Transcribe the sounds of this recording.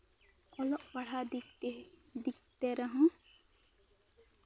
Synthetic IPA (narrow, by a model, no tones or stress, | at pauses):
ɔlɔʔbaɽ̤ad | d̪ik̚t̪ɛɾəɦɔ̃